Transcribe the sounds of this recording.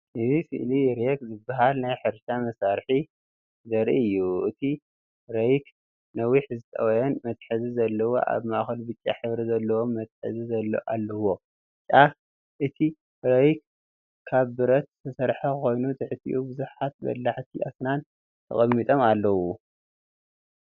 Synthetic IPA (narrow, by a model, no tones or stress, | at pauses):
ʔɨzisɨ̰ʔliɾekzɨbːaɦalnajħɨɾʃamɐsaɾħi | zɐɾiɨjːuʔɨt̪ʰi | ɾɐjk | nɐwiħzɨt̪ʼɐ̰wɐjɐnmɐt̪ħɨzizɐlːɐwo̰ʔa̰βmaʔxɐlbɨt͡ʃʼːaħɨβɾizɐlːɐwo̞mːɐt̪̚ħɨ̰zizɐlːɐ̰ʔalːɐwo̞ | t͡ʃʼaf | ʔɨt̪ʰi | ɾɐjk̚ | kʰːaβbɨɾɐt̪̚t̪ʰɐsɐɾħakɨxo̞jnut̪ʰɨħɨt̪ʰʼːḭʔubɨzuħat̪̚bɐ̰lːaħt̪ʰiʔa̰snan | t̪ʰɐ̰χʼɐmːit̪ʼo̞malːɐwu